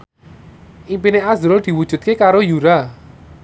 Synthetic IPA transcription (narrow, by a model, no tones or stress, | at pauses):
ʔimpineazɾʊd̪̥i̤wud̥ʒ̥ṳt̪̚kekaɾojuɾa